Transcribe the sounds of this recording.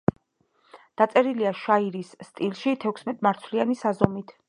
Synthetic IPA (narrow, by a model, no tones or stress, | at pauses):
d̪̥at̪sʼɛɾiliaʃaiɾisːt̪ʼilˠʃit̪ʰɛkʷʰsmɛt̪ʼmaɾt̪sʰlianisazɔmit̪ʰ